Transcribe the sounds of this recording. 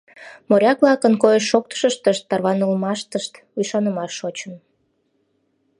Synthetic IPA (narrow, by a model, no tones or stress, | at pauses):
moɾʲɑklɑkənkojəʃːok̚t̪ə̥ʃəʃt̪əʃt̪ːɑrβɑnəlmɑʃt̪əʃt̪ | ujʃɑnəmɑʃːot͡ɕən